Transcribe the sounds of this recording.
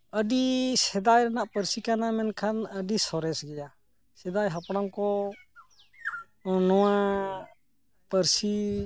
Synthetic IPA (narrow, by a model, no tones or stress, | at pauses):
əɖisɛd̪ajɾɛnaʔpəɾsikanamɛnkʰanəɖisɔɾɛsɡɛja | sɛd̪ajɦapɽamkɔ | nɔwa | pəɾsi